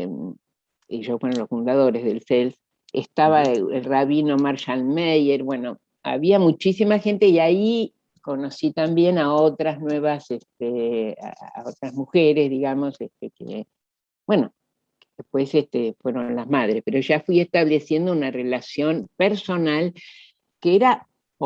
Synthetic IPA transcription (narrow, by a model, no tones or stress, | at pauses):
iʒowenolosfund̪aðo̞ɾezðelsels | est̪aβaḛlraβino̞maɾʃalmejeɾbwe̞no̞ | a̰βiamut͡ʃisimaxe̞nt̪e̞iai | ko̞no̞sit̪ambje̞naot̪ɾaznwe̞βasest̪ea̰a̰ot̪ɾazmuxeɾe̞zðiɣamo̞sest̪ekḛ | bwe̞no̞ | ðehpwesest̪efwe̞ɾo̞nlazmaðɾespeɾo̞ʒafwie̞st̪aβlesje̞nd̪ounare̞lasjo̞npeɾso̞nal | keeɾa